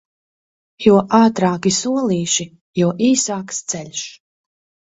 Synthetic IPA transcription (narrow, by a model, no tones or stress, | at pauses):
juɔʔaːt̪ɾaːkisuɔlˠiːʃi | juɔʔiːsaːkst̪sɛlʲʃ